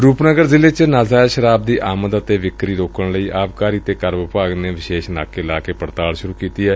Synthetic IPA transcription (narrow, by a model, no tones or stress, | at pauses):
ɾuːpnəɡəɾzɪleːt͡ʃnaːzaːʃəɾaːb̚d̪iːʔaːməd̪ət̪eːʋɪkɾiːɾoːkəɳləiːʔaːbkaːɾiːt̪eːkəɾməpaːɡneːʋɪʃeːʃna̰ːkeɪlaːkeːpəɽt̪aːlʃʊɾuːkiːt̪iːɦɛː